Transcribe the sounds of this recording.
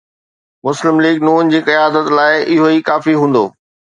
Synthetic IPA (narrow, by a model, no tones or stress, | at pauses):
mʊslɪmliːɡnuːnd͡ʑiːkɐjaːd̪ət̪laːɪɪɦoikaːfiɦũːn̆d̪oː